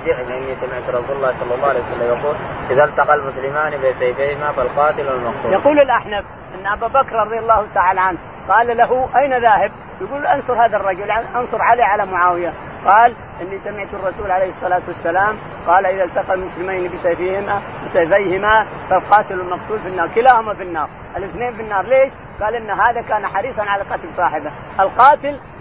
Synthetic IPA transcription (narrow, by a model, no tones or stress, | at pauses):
d͡ʒ̪ɪʕmʔɪnːisamɪʕt̪ɾˤɑsuːllːɑːhsˤɑlːɑlːɑːhʕalejwsalːamjɑquːlʔɪðalt̪ɑqɑlmʊslɪmaːnibesajfehɪmafalqɑːt̪ɪlwalmɑqsuːjɑquːlɪlʔaħnaf | ʔɪnːʔababakɾˤɾˤɑd̪ˤjɑlˤːɑːht̪aʕaːlaʕanh | qɑːllaɦʊʔajnaðaːhɪb̚ | wjɪɡuːlʔɑnsˤʊɾhaːðarˤːɑd͡ʒʊlaʔɑnsˤʊɾˤʕaliʕalamʊʕaːwɪja | qɑːl | ʔɪnːisamɪʕt̪rˤːɑsuːlʕalejhɨsˤːɑlaːt̪wasːalaːm | qɑːlʔɪðalt̪ɑqɑlmʊslɪmajnibɪsɑjfiːhɪmabɪsɑjfajhɪmafalqɑːt̪ɪlalmɑfsˤuːlfinːɑːɾˤkɪlaːhʊmafinːɑːɾˤ | ʔɪlʔɪθneːnfinːɑːɾˤleːʃ | ɡaːlʔɪnːaɦaːðakaːnaħɑɾiːsˤɑnʕalaqɑt̪lsˤɑːħɪba | ʔɪlqɑːt̪ɪl